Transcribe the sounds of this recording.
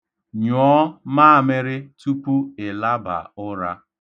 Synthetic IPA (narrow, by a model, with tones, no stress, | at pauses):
ɲɔː˨˦maː˦a˨me˦ɾɪ˦tu˦pu˦ɪ˨la˦ba̰˨ʊ˦ɾa˦